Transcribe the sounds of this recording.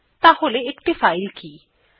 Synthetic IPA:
t̪aholeɪkɖɪfaːɪlkiː

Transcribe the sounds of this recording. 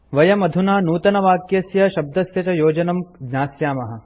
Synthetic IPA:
ʋɐjɐmɐd̪ʱunaːnuːt̪ɐnɐʋaːkjɐsjɐʃɐb̚d̪ɐsjɐt͡ʃɐjoːd͡ʒɐnɐmnaːsjaːmɐɦɐ̆

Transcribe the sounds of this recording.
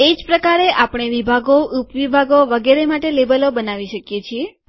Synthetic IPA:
ed͡ʒpɾəkaɾeʔapɽ̃eʋibʱaɡoʔupʋibʱaɡoʋəɡeɾemaʈelebəlobənaʋiʃəkjet͡ʃʰie

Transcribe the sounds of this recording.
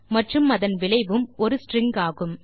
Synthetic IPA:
mɐʈrɯmɐðɐnʋɪɭɐɪʋɯmɔɾɯsʈrɪŋɡaːɣɯm

